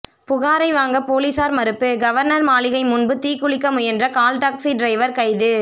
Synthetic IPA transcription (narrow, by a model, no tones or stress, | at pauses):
pʊɣaːɾɐɪʋaːŋɡɐpoːlisaːɾmɐɾɯpːɯɡɐʋɐɾnɐɾmaːɭɪɣɐɪmʊnbɯt̪iːkːʊɭɪkːɐmʊjɛndrɐkaːlʈaːksiɖɾɐɪʋɐɾkɐɪðɯ